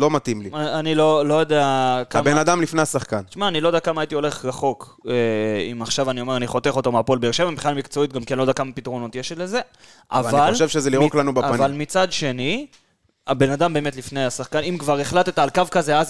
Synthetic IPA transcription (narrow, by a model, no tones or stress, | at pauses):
lo̞mat̪imliaanilo̞lo̞jod̪eakaambenad̪amlifnejasaχkanʃmaːnilojdeakamaːjit̪io̞le̞χʁaχo̞k | eimaχʃavanio̞me̞ʁaniχo̞t̪e̞χo̞t̪omeapolbeeʃe̞vambiχnalmikt͡so̞it̪̚ɡamkenlod̪akamapit̪ʁo̞no̞t̪jeʃtle̞ze̞ | ʔa̰avialolʃevʃezeliʁoklanubaaanvalmit͡sad̪ʃe̞ni | abe̞nad̪ambe̞ːme̞tlifne̞jasaχkanimkvaʁe̞χlatet̪aːlkavkaze̞az